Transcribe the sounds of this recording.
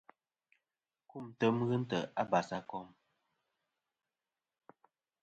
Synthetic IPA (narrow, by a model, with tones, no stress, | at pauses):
ku˦˨mtə˦mɣɨ˦n̩˦tə̰˨ʔa˦ba˨sa˦kɔ˦m